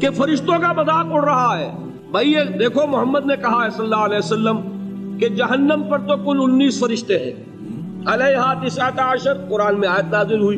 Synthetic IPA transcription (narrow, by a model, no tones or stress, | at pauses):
kefɐɾɪʃt̪õkabɐd̪akʊɽɾɐɦaɦɛː | bʱɐied̪eːkʰomʊɦəmːəd̪nekɐɦaɦɛsɐlːaɐlɛːsɐlːəm | ked͡ʒɐɦənːəmpɐɾt̪okʊlʊnːiːsfɐɾɪʃt̪eɦɛ̰̃ː | ɐleɦaːt̪isaːt̪aəʃəɾkʊɾaːnmẽaːjət̪naːzɪlɦuiː